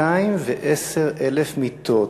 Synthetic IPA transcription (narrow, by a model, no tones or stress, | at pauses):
aimveʔeseʁelefmit̪ʰo